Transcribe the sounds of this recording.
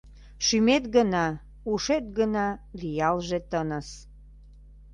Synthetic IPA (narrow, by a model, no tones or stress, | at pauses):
ʃymet̪̚ɡənɑ | uʃet̪̚ɡənɑlijɑlʒet̪ənə̆s